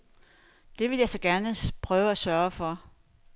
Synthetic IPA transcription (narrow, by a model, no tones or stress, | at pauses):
d̥e̝ʋe̝ljɑ̈ɪsɒ̽ɡ̥æɐnəpʰʁœːʊəæsɶɐfɒ̽